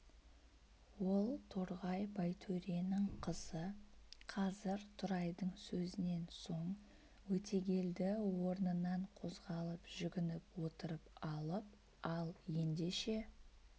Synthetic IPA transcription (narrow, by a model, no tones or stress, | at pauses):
wo̞lˠt̪ʰoɾʁɑjbɑjt̪ʰɵɾianəɴqʰəz̥əqʰɑzɪɾt̪ʰʊɾɑjd̪əɴsɵzɪne̞nso̞ɴ | wɵt̪ʰe̞ɡʲe̞ld̪ɪwo̞ɾnənɑɴqʰo̞zʁɑlˠəpʒ̥ʏɡʲɪnɪpwo̞t̪əɾəpɑlˠəp̚ | ɑlˠje̞nd̪e̞ʃe̞